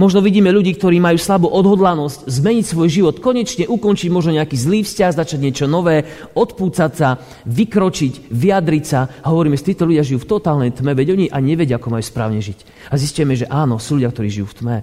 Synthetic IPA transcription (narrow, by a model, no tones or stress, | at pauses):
mɔʒnɔʋiɟiːmɛʎuɟiːk̚t̪ɔɾiːmajuːslabuːʔɔd̪ɦɔd̪lanɔsczmɛɲicsʋɔjʒiʋɔt̪kɔɲɛt͡ʃɲɛʔukɔnt͡ʃiɟmɔʒnɔɲɛakiːzliːfscaɣzat͡ʃaɟɲɪɛt͡ʃɔnɔʋɛː | ɔt̪puːt͡satsa | ʋikɾɔt͡ʃicʋiad̪ɾicsaɦɔʋɔɾiːmɛʒɛt̪iːt̪ɔlʎuɟɪaʒijuːft̪ɔt̪aːlnɛjt̪mɛʋɛɟɔɲiʔaɲɛʋɛɟɪaakɔmajuːspɾa̰ːʊɲɛʒic | aziscʊjɛmɛʒɛʔaːnɔsuːluɟɪakt̪ɔɾiːʒijuːft̪mɛ